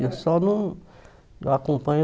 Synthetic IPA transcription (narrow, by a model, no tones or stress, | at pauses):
osɔnũ | akõpɐ̃ɲʊ